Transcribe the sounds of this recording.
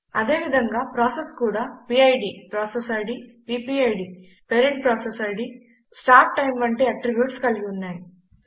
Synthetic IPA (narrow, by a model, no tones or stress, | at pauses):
ɐd̪e̞ːʋid̪ʱɐŋɡaːpɾaːseskuːɽaːpiːɐjɖiːpɾaːsesɐɽipiːpiːɐjɖi | peɾeɳʈ̚pɾaːsesɐiɖi | sʈaːp̚ʈɐjmʋɐɳʈe̞ːɐʈɾibjuːʈskɐliɡiunːaːji